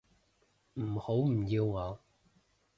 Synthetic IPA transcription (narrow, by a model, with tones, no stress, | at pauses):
m̩˨˩ho˨˥wm̩˨˩ji˧wŋɔː˨˦w